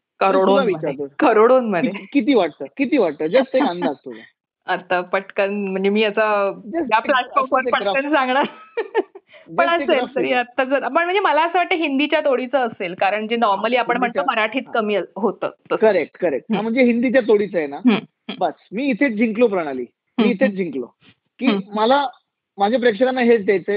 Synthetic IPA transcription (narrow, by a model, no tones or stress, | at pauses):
kəɾoɽoʋiməaɾeokəɾoɽonməd̪ekit̪̬iːʋaʈ̚t̪əːkit̪iːʋaʈ̚t̪əːd͡zəst̪əãnd̪ak̚t̪oa | ət̪ːapəʈkənm̤əɳd͡zemiːəsajaplasfɔɾfəɾpəkənsãŋɡɳa | pəɳəəesəɾiət̪ːat͡səɾpəɳm̤əɳd͡zeməlaəsəʋaʈ̚t̪əɦind̪it͡ɕjat̪oɽit͡səːselkaɾəɳd͡ʑenɔɾməliːapəɳm̤əʈ̪̚əməɾaʈʰiːt̪kəmiːəɦot̪ə̰ːt̪əəɾek̚ʈkəɾek̚ʈam̤əɳd͡zeɦind̪it͡ɕjat̪oɽit͡səjenaɦə̃ | bəsmiːt̪ʰet͡s̚d͡ʑʱiŋklopəɾəɽ̃alḭː | miːt̪ʰet͡sd͡ʑʱiŋklo̰ | kiːməla | mad͡ʑʱep̬ɾekʂəɾanːaɦet͡st̪jajt͡se